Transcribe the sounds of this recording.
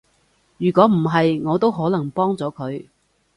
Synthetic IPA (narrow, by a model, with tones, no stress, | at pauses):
jyː˨˩kʷɔː˨˥m̩˨˩ɦɐ˨jŋɔː˨˧t̪o˥wɦɔː˨˥lɐ˨˩ŋpɔː˥ŋt͡sɔː˨˥kʰɵ˨˧ɥ